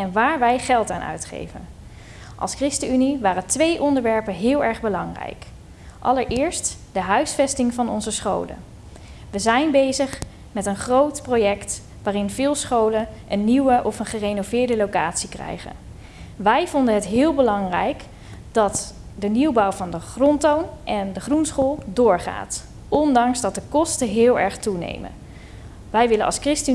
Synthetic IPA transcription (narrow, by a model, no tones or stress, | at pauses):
ɛnʋaːɹʋɛjχɛlˠtaːnœ̰ɥtχḛjvə̰n | ʔɑ̰lˠskrɪstəyniʋaːrətʋejʔɔndəɹʋɛɹpənɦɪːlˠɛɹχbəlɑŋrɛ̰jk | ʔɑləɹʔɪːɹst | d̥əɦœɥsfɛstɪŋvɑnɔ̰nzəsχo̰wlə̰n | ʋəzɛjnbejzəχ | mɛtənχrowtprojɛkt | ʋaːrɪnvɪːlˠsχowlənʔənːiwəʔɔfənχərejnovɪːɹdəlowka̰ːtsikrɛ̰jχə̰n | ʋɛjvɔndənɦətɦɪːlˠbəlɑŋrɛjk | d̥ɑt | dəniwbɑwvɑndəχrɔntownʔɛndəχrunsχoːlˠdʊːɹχa̰ːt | ʔɔndɑŋsdɑt̚dəkɔstəɦɪːlˠɛ̰ɹχtunḛjmə̰n | ʋɛjʋɪlənʔɑ̰lˠskrɪstə